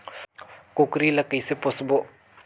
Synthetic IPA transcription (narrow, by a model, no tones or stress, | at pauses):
kokɾilɐkəjsepɔsbo